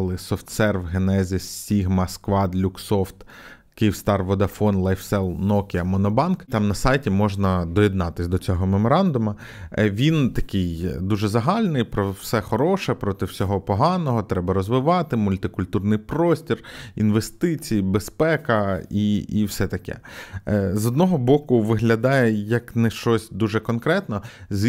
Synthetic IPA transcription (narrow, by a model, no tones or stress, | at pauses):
lˠɪsɔft̪sɛrʋɦenɛzʲisːʲiɦmɐskʋɑd̪lʲuksɔft̪ | kɪjiwst̪ɑrʋɔd̪ɐfɔnlˠɐjfsɛlˠnɔkʲɪɐmɔnɔbɑnkt̪ɑmnɐsɑjtʲimɔʒnɐd̪ɔjɛd̪nɑt̪ɪsʲd̪ɔt͡sʲɔɦɔmemɔɾɑnd̪ʊmɐ | ʋʲint̪ɐkɪjd̪uʒɛzɐɦɑlʲnɪjpɾɔwsɛxɔɾɔʃɛpɾɔt̪ɪwsʲɔɦɔpɔɦɑnɔɦɔt̪ɾɛbɐɾɔzʋɪʋɑt̪ɪmʊlʲt̪ɪkʊlʲt̪urnɪjpɾɔsʲtʲirinʋest̪ɪt͡sʲijibespɛkɐiiwsɛt̪ɐkɛ̰ | zɔd̪nɔɦɔbɔkʊʋɪɦlʲɐd̪ɑjɛjɐknɛʃt͡ʃɔsʲd̪uʒɛkɔnkɾɛt̪nɔ | zʲ